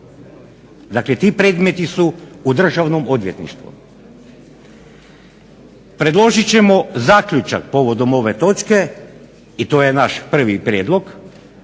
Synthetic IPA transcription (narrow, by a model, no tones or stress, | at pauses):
d̪aklet̪iːpɾe̞ːd̪me̞t̪isuːd̪r̩ʒaʋnomod̪ʋje̞t̪nḭʃt̪ʋṵ | pɾe̞d̪lˠo̞ʒit͡ɕe̞mo̞zaːkʎʲut͡ʃa̰k̚po̞ʋo̞d̪o̞mo̞ʋe̞t̪o̞t͡ʃke̞ | it̪o̞ːjenaʃpr̩ʋipɾʲjeːd̪lˠo̞ɡ